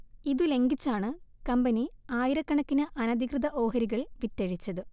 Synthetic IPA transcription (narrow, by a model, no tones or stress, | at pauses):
iðule̞ŋɡit͡ɕːaːɳɨkɐmbɐniaːjiɾɐkːɐɳɐkːinɨʔɐnɐd̪ʱikrɨðɐʔo̞ːɦɐɾiɣɐɭʋitːɐɻit͡ɕːɐðɨ